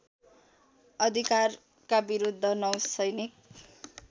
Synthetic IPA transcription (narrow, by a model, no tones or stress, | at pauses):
ʌd̪ʱikar | kabiɾud̪ʱːʌnʌwsʌjnik̚